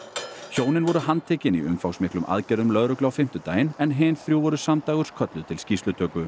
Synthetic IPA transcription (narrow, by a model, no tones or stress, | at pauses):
çoːwnɪnvɔɾʏhant̪ʰɛːcɪniʏmfawsmɪhklʏmʔa̰ðcɛɾðʏmlœðɾœklawfɪm̥t̪ʏt̪aːjɪnɛnɦɪːnθɾjuːvɔɾʏsamt̪aːɣʏɾskʰœt̪lʏðt̪ʰɪlscist̪lʏt̪ʰœːkʏ